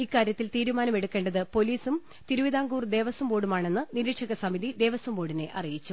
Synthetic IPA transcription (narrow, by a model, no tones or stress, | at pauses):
ikːaːɾjɐt̪ːilt̪iːɾumaːnɐme̞ɽukːe̞ːɳɖɐðɨpo̞liːsum | t̪iɾuʋiðaːŋɡuːrd̪e̞ːʋɐsɐmboːɽumaːɳe̞nːɨniɾiʈʂɐɣɐsɐmiðid̪e̞ːʋɐsɐmboːɽine̞ʔɐrijit͡ɕːu